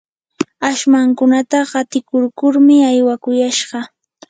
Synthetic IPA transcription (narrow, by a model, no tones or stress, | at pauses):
aʃmaŋkʊnat̪aɢɑt̪ɪkʊɾkʊɾmɪajwakʊjaʃɢɑ